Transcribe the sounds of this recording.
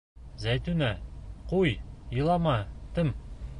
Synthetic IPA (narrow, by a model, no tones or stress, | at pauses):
zæjt̪ʉnæqujjɤ̆lˠɑmɑt̪ɘm